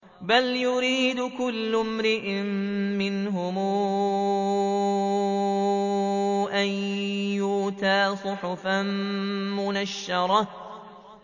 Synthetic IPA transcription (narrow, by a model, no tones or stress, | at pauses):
baljʊɾiːd̪ʊkʊlːʊmɾɪʔɪmmɪnɦʊmuː | ʔajjuːt̪aːsˤʊħʊfanmʊnaʃːɑɾˤɑ